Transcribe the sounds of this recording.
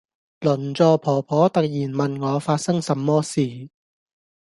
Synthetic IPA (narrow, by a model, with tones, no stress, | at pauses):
lɵ˨˩nt͡sɔː˨˧pʰɔː˨˩pʰɔː˨˥t̪ɐ˨k̚jiː˨˩nmɐ˨nŋɔː˨˧faː˧t̚sɐ˥ŋsɐ˨˧mːɔː˥siː˨